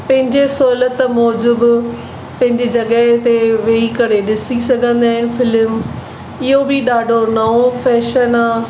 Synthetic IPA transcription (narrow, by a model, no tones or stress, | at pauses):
pɐ̃ɦɪ̃ɲd͡ʑesoːlət̪mɔːd͡ʒʊb | pɐ̃ɦɪ̃ɲd͡ʑid͡ʒɐɡət̪eʋeːikɐɾeɗɪsisɐɡʱə̃nd̪aːɦɪn̆fʰɪlm | ɪɦobʱiɗaːɖʱonɐõpʰɛːʃənaː